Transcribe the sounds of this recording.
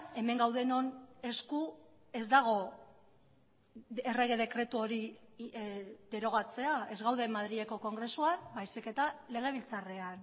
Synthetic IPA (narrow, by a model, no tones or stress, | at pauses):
e̞me̞ŋɡawðe̞no̞ne̞sku | e̞zd̪aɣ̞o̞ | e̞re̞ɣ̞e̞ðe̞kɾe̞t̪uo̞ɾi | ðe̞ɾo̞ɣ̞at͡se̞ae̞zɣawðe̞maðɾieko̞ko̞ŋɡɾe̞suanbajsike̞t̪ale̞ɣ̞e̞β̞ilt͡sare̞an